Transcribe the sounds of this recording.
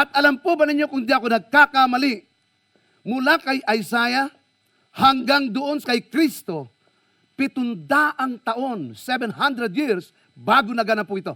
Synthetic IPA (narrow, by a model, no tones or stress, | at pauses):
ʔɐt̪̚ɐlampubanɪɲjokʊŋd̪ɪʔɐkonɐɡ̚kakamaliʔ | mʊlakɐjʔɐjsaːja | haŋɡaŋd̪ʊʔonskɐjkɾist̪o | pɪt̪ʊnd̪aːʔaŋt̪ɐʔonsɛbɛnhand̪ɾɛd̪jiɾs | baːɡʊnɐɡanapʊɪt̪o̞